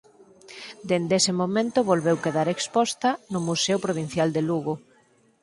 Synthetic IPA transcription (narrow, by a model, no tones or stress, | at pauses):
d̪end̪esɪmomẽnt̪ʊβolβewkeðaɾekspɔst̪ɐnʊmusewpɾoβ̞in̟θjald̪eluɣo